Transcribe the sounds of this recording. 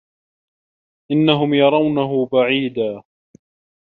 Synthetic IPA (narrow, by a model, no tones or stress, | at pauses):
ʔɪnːaɦʊmjɑɾˤɑwnaɦʊbaʕiːd̪aː